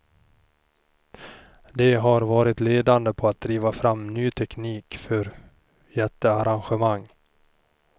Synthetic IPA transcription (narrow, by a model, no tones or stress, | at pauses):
d̪ɛɦaɾvɑːɾɪt̪leːd̪and̪əpʰɔat̪̚d̪ɾiːvafɾamːnyːt̪ʰɛkniːkfœɾ | jɛt̪ːəaɾanɧəmaŋː